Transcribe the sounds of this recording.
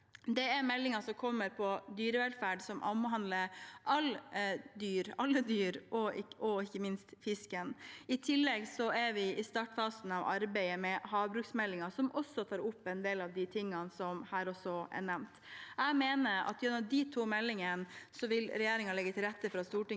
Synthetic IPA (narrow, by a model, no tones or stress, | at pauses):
d̪ɛæɾmɛlːɪŋɑsɔmkʰɔmːəɾpʰɔd̪yːɾəʋɛlfæːɖsɔmʔɑ̰mɦɑnd̪ləɾʔɑld̪yːɾɑlːəd̪yːɾʔɔɔɪçːəmɪnst̪fɪskənɪt̪ʰɪlːɛɡsɔæɾʋɪɪst̪ɑːʈfɑːsn̩ɑʋɑ̰ɾbæɪəmɛhɑːʋbɾʉksmɛlːɪŋɑsɔmʔɔsːɔt̪ʰɑːɾʊpːɛnd̪eːlɑʋd̪ɪt̪ʰɪŋːɑnsɔmhæːɾɔsɔɛ̰ɳɛmnt̪æɪmeːnəɾɑ̰t̪jʉnːɔd̪ɪt̪ʰuːmɛlːɪŋənsɔʋɪlɾɛjeːɾɪŋɑlɛɡːət̪ʰɪlɾɛt̪ːəfɾɑst̪uːʈɪ